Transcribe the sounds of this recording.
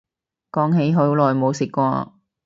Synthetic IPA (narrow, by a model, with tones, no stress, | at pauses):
kɔː˨˥ŋɦe˨˧˥jɦɵ˨˥wlɔː˨jmo˨˧wsɪ˨kːʷɔː˧